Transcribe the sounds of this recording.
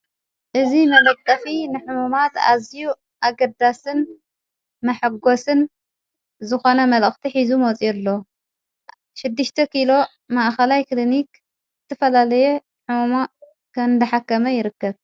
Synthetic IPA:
ʔɨzimɐlɐt̪ʼːɐfinɨħumumat̪a̰ziju | ʔaɡɐd̪asɨn | mɐħɨɡo̞sɨn | zɨxo̞nɐmɐlɨxt̪ʰiħizumot͡sʼijɛlːo | ʃɪd̪ːɨʃt̪ʰɐkʰilo̞ | maʔxɐlajklinik | zɨt̪ʰɐfɐlalɐjɛ | ħumuma | kʰɐnd̪ɐħakːɐmɐjɪɾɨkːɐβ

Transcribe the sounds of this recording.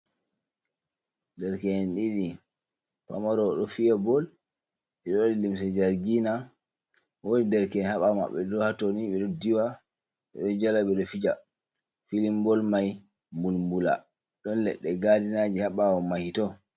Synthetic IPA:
dɛɾkɛnɗiɗi | pa̰maɾɔɗɔfijɛbɔl | ɓɛɗɔdilims̬ɛd͡ʒaɾɡina | wonidɛɾkɛnhaɓama̰ɓːɛdɔhatoniɓɛɗɔdiwa | ɓɛɗɔd͡ʒalaɓɛɗɔfid͡ʒa | filimbɔlmaj | mbulmbula̰ | ɗɔnlɛ̰ɗːɛɡadinad͡ʒihaɓawɔmahitɔ

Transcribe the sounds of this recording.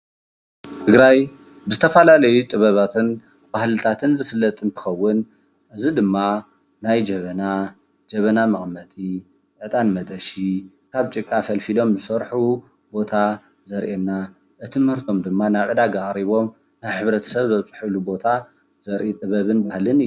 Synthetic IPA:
t̪ʰɨɡɾaj | bɨzɨt̪ʰɐfɐlalɐjut̪ʼɨβɐβat̪ʰɨn | b̥ahlɨt̪ʰat̪ʰɨnzɨfɨlːɐt̪ʼɨnt̪ʰɨ̥xɐwːʊn | ʔɨzid̪ɨmːa | najd͡ʒɐβɐna | d͡ʒɐβɐnamɐχʼmɐt̪ʼi | ʔɨt̪ʼanmɐt̪ʼɐʃi | kʰaβt͡ʃʼɨkʼːafɐlfilo̞mzɨsɐɾħu | bo̞t̪ʰa | zɐɾʔenːa | ʔɨt̪ʰɨmhɨɾt̪ʰo̞md̪ɨmːanaβʕɨd̪aɡakʼɾiβo̞m | najħɨβɾɐt̪ʰɐ̥sɐβzɐβt͡sʼɨ̥ħɨlubo̞t̪ʰa | z̥ɐɾʔit̪ʼɨβɐβɨnbahlɨnɨj

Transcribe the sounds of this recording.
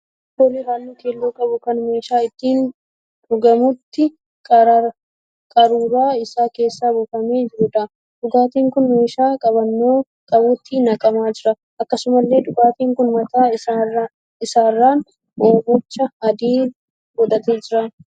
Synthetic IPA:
kolɪɾaːlːoːkeːlːoːkʼɐbʊkɐnme̞ːʃaːɪt̪ːiːn | ᶑʊɡɐmʊt̪ːɪ | kʼɐɾɐ | kʼɐɾuːɾaːɪsaːke̞ːsːaːbʊfɐme̞ːd͡ʒɪɾʊᶑ̪ɐ | d̪ʊɡaːt̪iːŋkʊnme̞ːʃaːkʼɐbɐnːoː | kʼɐbuːt̪ːɪnɐkʼɐmaːd͡ʒɪɾɐ | ʔɐkːɐsʊmɐlːe̞ːᶑ̪ʊɡaːt̪iːŋkʊnmɐt̪aː | ɪsaːrːaːn | oːbʊt͡ʃːɐɐd̪iː | ɡɔᶑ̪ɐt̪e̞ːd͡ʒɪɾa

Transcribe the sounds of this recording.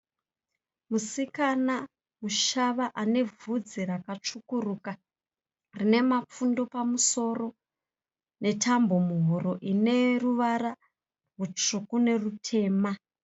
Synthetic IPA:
musikana | muʃaʋaʔane̞vud͡zirakat͡ʂukuruːka | rine̞map͡fundo̞pamuso̞ro̞ | ne̞tambo̞muɦoɾo̞ʔine̞ruʋaɾa | rut͡ʂukune̞rutʰe̞ːma

